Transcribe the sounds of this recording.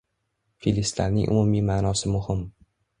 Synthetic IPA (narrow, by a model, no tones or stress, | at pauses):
filɪst̪a̰ɾnɪ̰ŋʔʊ̰mʊmimaːnɒsɪmʊhɪm